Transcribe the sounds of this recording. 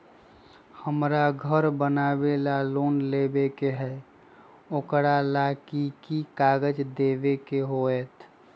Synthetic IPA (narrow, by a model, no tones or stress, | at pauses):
həmɾaɡʱəɾbənabelalonlebekeɦɛ | okɾalakikikaɡəd͡ʒd̪ebekeɦoet̪ʰ